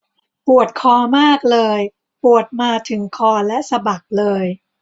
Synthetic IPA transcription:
pu˨˩ət̪̚kʰɔː˧maː˥˩k̚lɤː˧j | pu˨˩ət̪̚maː˧t̪ʰɯ˩˦ŋkʰɔː˧lɛ˦˥ʔsa˧ba˨˩k̚lɤː˧j

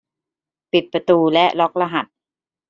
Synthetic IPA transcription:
pi˨˩t̪̚pɾa˧t̪uː˧lɛ˦˥ʔlɔ˦˥k̚la˧ɦa˨˩t̪̚

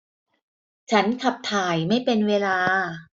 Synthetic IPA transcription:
t͡ɕʰa˦˥nkʰa˨˩p̚t̪ʰaː˨˩jma˥˩jpe˧nweː˧laː˧

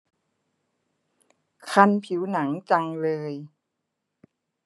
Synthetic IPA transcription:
kʰa˧npʰi˩˦wna˩˦ŋt͡ɕa˧ŋlɤː˧j

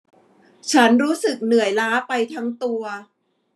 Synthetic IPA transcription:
t͡ɕʰa˦˥nɾuː˦˥sɯ˨˩k̚nɯ˨˩əjlaː˦˥pa˧jt̪ʰa˦˥ŋt̪u˧ɐ

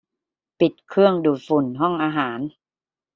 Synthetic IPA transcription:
pi˨˩t̪̚kʰɯ˥˩əŋduː˨˩t̪̚fu˨˩nɦɔ˥˩ŋʔaː˧ɦaː˩˦n

